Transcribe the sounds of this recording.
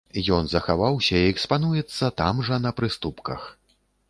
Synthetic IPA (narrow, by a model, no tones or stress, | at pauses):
jɔnzɐxavawsʲɐiɛkspanujɛt̪sːɐt̪amʐɐn̪ɐpɾɨst̪upkɐ̰x